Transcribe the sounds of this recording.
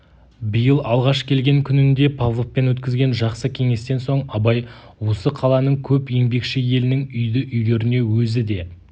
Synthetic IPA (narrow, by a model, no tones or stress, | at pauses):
bijəlˠɑlˠʁɑʃkʲʰe̞lɡʲe̞ŋkʲʰʏnɪnd̪e̞pʰavlˠoppːe̞nwɵt̪̚kʲɪzɡʲe̞nʒɑqsəkʲʰe̞ŋe̞st̪e̞nso̞ɴɑbɑjwo̞səqʰɑlˠɑnəɴkʲʰɵpje̞mbe̞kʃɪje̞lɪnɪŋʏjd̪ɪʔʏjle̞ɾɪne̞wɵzɪd̪e̞